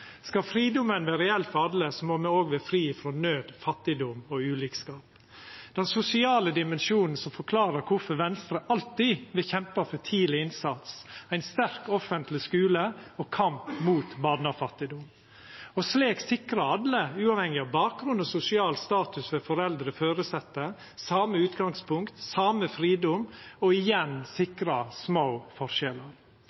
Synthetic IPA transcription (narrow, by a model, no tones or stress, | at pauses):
skɑfɾiːd̪ʊmənʋɛːɾɛɛlfɔɑd̪ləsɔmoːmɛoːɡʋeːfɾiːfɾɔnøːd̪fɑt̪ːɪd̪ɔmɔʉːliːkskɑːp | d̪̥ɛnsʊsɪɑːləd̪ɪmɛnʃuːnn̩sɔmfɔɾkʰlɑːɾəɾkʰʊfɔɾʋɛnst̪ɾəʔɑlt̪ɪʋɪçɛmpɑfɔt̪ʰiːlɪɪnsɑt̪sæɪnst̪æɾkɔfənt̪lɪskʉːləɔkʰɑmpmuːt̪bɑd̪nɑfɑt̪ːɪd̪ʊm | ɔsleːksɪkɾɑɑd̪ləʉːɑʋhɛŋɪɑʋbɑːk̚ɡɾʉnɔsʊsɪɑːlst̪ɑːt̪ʉsʋɛːfɔɾɛld̪ɾəføːɾəsɛt̪ːə | sɑːməʉːt̪ɡɑŋspʰʊŋkt̪sɑːməfɾiːd̪ʊmɔɪjɛnsɪkɾɑsmoːfɔɾʃɛləɾ